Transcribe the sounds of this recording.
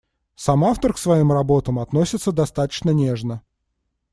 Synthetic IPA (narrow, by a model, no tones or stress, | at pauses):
samaft̪ərksvɐimrɐbo̞t̪əmɐt̪nosʲɪt̪səd̪ɐst̪at̪ə̥t͡ɕnənʲeʐnə